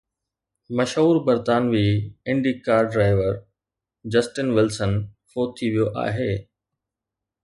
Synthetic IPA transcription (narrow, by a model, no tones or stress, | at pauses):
mɐʃɦuːɾbɐɾt̪aːnʋiːɪ̃ɳɖiːkaːɾɖɾaːɪʋəɾ | d͡ʑɐsʈɪnʋɪlsənfoːt̪ʰːiʋijoʔa̰ːɦeː